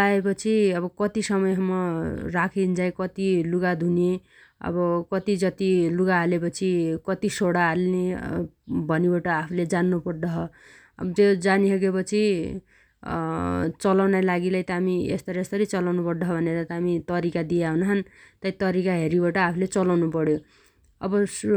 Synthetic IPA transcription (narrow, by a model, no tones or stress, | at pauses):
aepʌt͡sʰiʌbʌkʌt̪isʌmʌjɦʌmːʌrakʰind͡zajkʌt̪iluɡad̪ʱune | ʌ̰bʌkʌt̪id͡zʌt̪iluɡaɦːlepʌt͡sʰikʌt̪isoɽaːlne | bʱʌnibaʈʌapʰuled͡zanːupʌrd̪ʌɦʌ | d͡zʌd͡zanisʌɡepʌt͡sʰi | t͡sʌlawnajlaɡilajt̪ʌamiḛst̪ʌɾest̪ʌɾit͡sʌlawnupʌrd̪ʌɦʌbʱʌneɾat̪ʌːmit̪ʌɾikad̪ijaɦunɦʌnt̪ʌjt̪ʌɾikaɦeɾibaʈʌapʰulet͡sʌlawnupʌɽjo | ʌ̰bʌ